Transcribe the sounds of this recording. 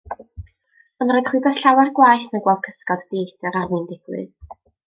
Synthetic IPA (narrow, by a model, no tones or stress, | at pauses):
ənrɔɨðχwibɛθɬawarɡwajθnaɡwɛlˠv̥kʰəskɔdd̥ejdɛɾarwɨndɪɡ̥wɨ̰ð